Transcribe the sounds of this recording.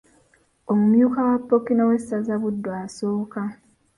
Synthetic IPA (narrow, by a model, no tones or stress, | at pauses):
omumjuːkawapːokinowesazaβudːwaːsoːka